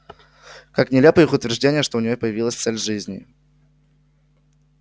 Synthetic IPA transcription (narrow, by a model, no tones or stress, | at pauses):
kaknʲɪlʲepəjixʊt̪vʲɪrʐdʲenʲɪjəʂt̪oʊnʲɪjopəjɪvʲilˠəsʲt̪sɛlʲʐɨzʲnʲɪ̰